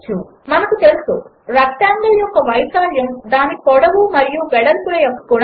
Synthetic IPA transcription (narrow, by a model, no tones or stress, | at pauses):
t͡ʃːu | mɐnɐkut̪e̞lusu | ɾɐk̚ʈaːŋɡ̪ɐljɔkːɐʋɐjsaːljɐmd̪aːnikɔɽɐʋumɐɾijuʋɛɽɐlkuɭɐjɐkːɐ̥kːuːn